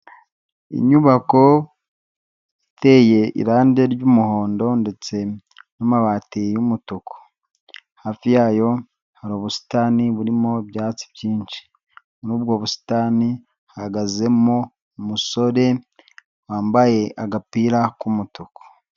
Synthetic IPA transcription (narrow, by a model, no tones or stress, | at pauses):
ḭɲuβako̞ | itʰe̞je̞ḭɾaːndeɾɟumuho̞ːndo̞nde̞t͡se̞ | nomaβaːtijumutuko̥ | haːfijaːjo̞ | haɾoːβusi̥taːniβuɾimo̞bjaːt͡si̥bɟiːɲʃi̥ | nuːbɡo̞ːβusi̥taːni | hahaɡaze̞mo | muso̞ɾe̞ | waːmbaje̞ʔaɡapiːɾakumutuko̥